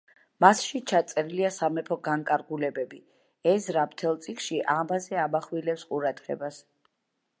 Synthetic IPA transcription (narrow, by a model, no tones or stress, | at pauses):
masʃit͡ʃʰat̪sʼɛɾiliasamɛpʰɔɡaŋkʼaɾɡulɛbɛbi | ɛsɾapt̪ʰɛlˠt̪sʼikʃiʔamazɛamaχwilɛpsqʼuɾad̪̥ʁɛ̰bas